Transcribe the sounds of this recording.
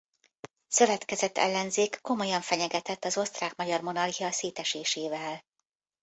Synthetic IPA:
sø̞vɛt̪kɛzɛt̪ːɛ̰lːɛnzeːkːo̞mo̞jɒɱfɛɲɛɡɛt̪ɛt̪ːɒzo̞st̪raːkmɒɟɒrmo̞nɒrɦijɒseːt̪ɛʃeːʃeːvɛl

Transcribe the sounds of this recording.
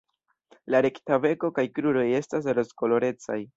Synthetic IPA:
laɾe̞ktave̞ko̞kajkɾuɾo̞je̞stas̬ɾo̞sko̞lo̞ɾe̞t͡sa̰j

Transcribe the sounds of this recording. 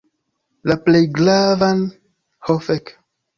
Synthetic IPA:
laplejɡlavan | hofek

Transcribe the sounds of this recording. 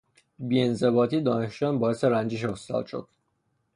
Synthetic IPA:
biːe̞nze̞bɒːt̪ʰiːd̪ɒːne̞ʃd͡ʒɒːnbɒːjeseɾænd͡ʒiʃ̬ost̪ɒ̰ːd̪̥ʃo̰d̪̥

